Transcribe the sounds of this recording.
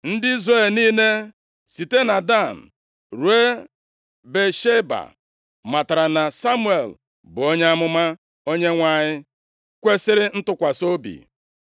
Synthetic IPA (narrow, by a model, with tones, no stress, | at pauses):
n̩˦dɪ˦i˦zrɾe˦˨lniː˦ne˦ | si˨te˦na˨da˦˨n̩˨ | ɾu˨e˦ | be˨ʃe˦ba̰˨ | ma˨ta˨ɾa˨na˨sa˦mu˦e˨l | bʊ˨o˦ɲe˦a˦mʊ˦ma˦ | o˦ɲe˦ŋʷa˦˨ɲɪ˦ | kʷe˦sɪ˦ɾɪ˦n̩˦tʊ˦kʷa˨so˦bḭ˨